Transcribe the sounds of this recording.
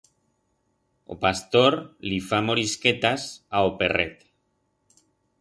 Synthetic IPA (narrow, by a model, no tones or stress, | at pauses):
o̰past̪oɾlifamoɾisket̪asaoperet̪